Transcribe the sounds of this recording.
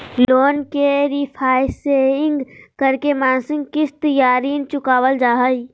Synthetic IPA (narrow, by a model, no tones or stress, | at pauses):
lloːnkeɾipʰaːɪseɪ̃ŋɡkəɾkemãːnsɪ̃ŋɡkɪst̪əjaːɾiːnt͡ʃʊkaːwəld͡ʒaːɦəi